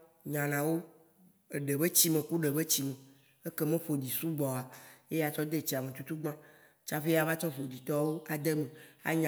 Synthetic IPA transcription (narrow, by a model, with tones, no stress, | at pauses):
ɲã˨nã˨wo˦ | e˨ɖe˨be˦t͡ɕi˦mẽ˨ku˦ɖe˨be˦t͡ɕi˦mẽ˨ | e˦ke˦mẽ˦ɸo˨d̪i˨su˦ɡ͡bɔ˨a˨je˦ja˨t͡ʃɔ˦d̪e˦˨t͡ɕi˨a˨mẽ˨t̪u˦t̪u˦ɡ͡bã˦ | t͡ʃa˦ɸe˦ja˨va˦t͡ʃɔ̃˦ɸo˨d̪i˨t̪ɔ˦wo˦a˨d̪e˦mẽ˨a̰˦ɲã˨